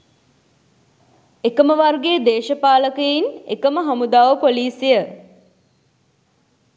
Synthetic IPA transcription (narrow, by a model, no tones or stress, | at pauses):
ekəməʋarɡeːd̪eːʃəpaːləkejinḛkəməɦɐmud̪aːʋəpoliːsijə